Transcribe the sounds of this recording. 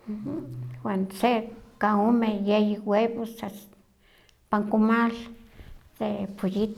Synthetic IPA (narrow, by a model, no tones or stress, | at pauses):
wansekaomejejiweβosas | paŋkomal | d̪epojit̪